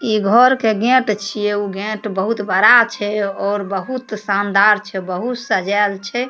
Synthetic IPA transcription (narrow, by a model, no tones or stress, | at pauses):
iɡʱɔɾkeɡɛ̃ʈt͡ʃʰijeuɡɛ̃ʈbəɦut̪bəɾat͡ʃʰɛɔːɾbəɦut̪sand̪aɾt͡ʃʰɛbəɦut̪səd͡ʒalt͡ʃʰɛ